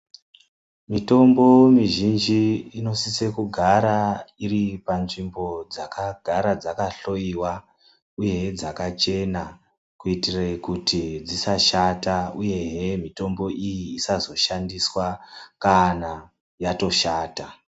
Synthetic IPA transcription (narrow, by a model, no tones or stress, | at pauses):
mito̞mbo̞miʒind͡ʒiːno̞sise̞kuɡʱaɾairipanʐimbo̞d͡zakaɡʱaɾad͡zakaɬo̞iwa | uje̞d͡zakat͡ʃe̞na | kuitirekutʰid͡zisaʃatauje̞ɦemito̞mbo̞ʔijiːsazo̞ʃandiswakana | jato̞ʃaːta